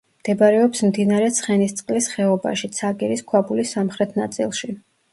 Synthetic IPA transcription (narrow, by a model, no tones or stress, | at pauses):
md̪̥ɛbaɾɛɔpsmd̪inaɾɛt̪sʰχɛnist̪sʼqʼlisχɛɔba̰ʃit̪sʰaɡɛɾiskʰwabulisːamχɾɛt̪ʰna̰t̪sʼḭlˠʃi